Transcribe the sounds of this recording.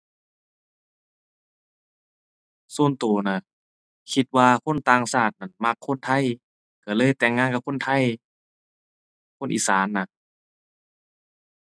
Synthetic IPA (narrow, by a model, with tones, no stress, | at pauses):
suː˧˩˨nt̪uː˨˩˦na˧˩ | kʰi˧t̪̚waː˧kʰo˧˥˨nt̪aː˧ŋsaː˧˩t̪̚na˧˩˨nma˧kʰːo˧˥˨nt̪ʰa˧˥˨j | ka˧˩lɤː˧˥˨jt̪ɛː˨˧˩ŋːaː˧˨ka˧p̚kʰo˧˥˨nt̪ʰa˧˥˨j | kʰo˧˥˨nʔḭː˧˨saː˨˦nːa˧